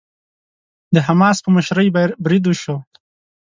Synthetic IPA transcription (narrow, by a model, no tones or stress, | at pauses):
d̪əɦamɑːspəməʃɾəjbaɾbɾid̪uʃo